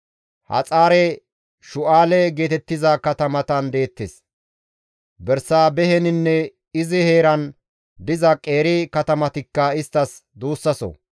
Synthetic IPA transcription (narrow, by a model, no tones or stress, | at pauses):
hɐ̰t͡sʼaːɾɛ | ʃʊʔaːlɛɡe̞ːt̪ɛt̪ːɪzɐkɐt̪ɐmɐt̪ɐnd̪e̞ːt̪ːes | bɛɾsaːbɛhɛnɪnːɛ | ɪzɪhe̞ːɾɐn | d̪ɪzɐkʼe̞ːɾɪkɐt̪ɐmɐt̪ɪkːɐɪst̪ːɐsd̪uːsːɐsɔ̰